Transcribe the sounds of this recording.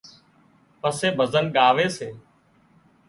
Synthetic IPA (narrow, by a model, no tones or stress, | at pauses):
pəseːbʱəzənɠaːʋeːseː